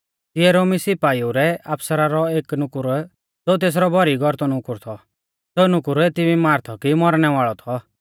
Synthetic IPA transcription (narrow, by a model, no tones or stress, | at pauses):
t̪ɪɛɾoːmisɪpaːiuɾɛapsəɾaɾɔeːknʊkʊɾ | d͡zot̪̬eːs̬ɾɔbʱɔɾiɡʱɔɾt̪ɔnʊkʊɾt̪ʰɔ | soːnʊkʊɾt̪ɪbimaːɾt̪ʰɔkimɔɾñɛʋaːɭɔt̪ʰɔ